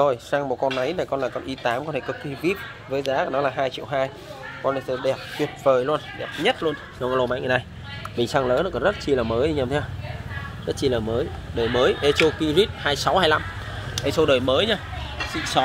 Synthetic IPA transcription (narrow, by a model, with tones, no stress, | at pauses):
o˧˩jsaː˧ŋmo˨˩kɔ˧nːa˨˦jnaː˨˩jkɔ˧nlaː˨˩kɔ˧nʔi˧t̪aː˨˦mkɔ˧nʰaː˧˩kɔ˨˧˩ki˧vi˦˥ət̚ | vəː˨˦jzaː˨˦kɔ˨˧˩nɔ˨˦laː˨˩ɦaː˧jt͡ɕḭ˧˨əwɦaː˧j | kɔ˧nli˨˩sə˧ɗɛ˨˩p̚twi˨˩ət̚vəː˨˩jlu˧ənɗɛ˨˩p̚ɲə˦˥t̚lu˧ən | ɗo˧ŋkɔ˧lo˧ma̰˧˨ŋa˨˩na˧j | ɓï˨˩ŋ̟saː˧ŋlə̰ː˧˦˥nɔ˨˦kɔ˨˦zə˦˥t̚t͡ɕi˧laː˨˩məː˨˦ji˧ɲaː˧˩mt̪ʰɛ˧ | zə˦˥t̚t͡ɕi˧laː˨˩məː˨˦jɗəː˨˩jməː˨˦jʔe˧t͡ɕo˧ki˧zi˦˥t̚haː˧jsa˨˦whaː˧jla˧m | ʔe˧sə˧wɗəː˨˩jməː˨˦jɲaː˧sḭ˧˨sɔ˨˦